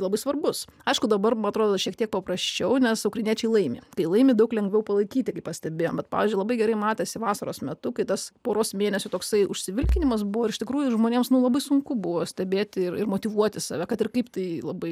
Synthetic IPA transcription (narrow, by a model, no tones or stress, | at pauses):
lˠɐbɐɪsʋɐrbʊsɐɪʃkʊd̪ɐbɐɾmɐnɐt̪ɾoːd̪oʃʲiɛkt̪ʲiɛk̚pɐpɾɐsʲt͡ʃʲɛʊnʲɛsɐʊkrɐɪnʲiɛt͡ʃʲɛɪlˠɐɪmʲeːkɐɪlˠɐɪmʲiːd̪ɐʊklʲɛŋɡʲʋʲɛʊpɐlˠɐɪkʲiːt̪ʲɪkɐɪpɐsʲt̪ʲɛbʲeːjoːmbʲɛt̚pɑ̰ːʋʲɪzʲd͡ʒʲʊɪlˠɐbɐɪɡʲɛɾɐɪmɑːt̪ʲeːsʲɪʋɑːsɐɾoːsmʲɛt̪ʊkɐɪt̪ɐspoːɾoːsmʲeːnʲɛsʲʊt̪oːksɐɪʊ̰ʃʲsʲɪʋʲɪlʲkʲɪnʲɪmɐs̬bʊʋoːɪɾɪʃʲt̪ʲɪkɾuːjʊɪʒmoːnʲeːmsnʊlˠɐbɐɪsʊŋkʊbʊʋoːsʲt̪ʲɛbʲeːt̪ʲɪrɪ̰rmoːt̪ʲiʋuɔt̪ʲɪsɑ̰ːʋʲɛkɐt̪ɪrkɐɪpt̪ɐɪlˠɐbɐɪ